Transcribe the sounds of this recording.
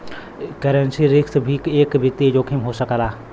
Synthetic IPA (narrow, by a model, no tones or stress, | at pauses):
kəɾənsiɾɪkt̪bʱikeːkbɪt̪ːid͡ʒoːkʰimɦoːsəkalaː